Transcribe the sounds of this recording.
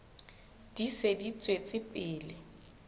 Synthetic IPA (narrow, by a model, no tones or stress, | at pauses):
d̥isedit͡sʼwet͡sʼɪpʼɪːlɪ